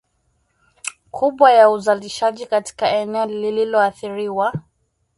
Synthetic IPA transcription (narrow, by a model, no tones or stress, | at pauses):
kʰuɓwajauzaliʃaʄikati̥kaɛnɛɔlililɔaθiɾiwa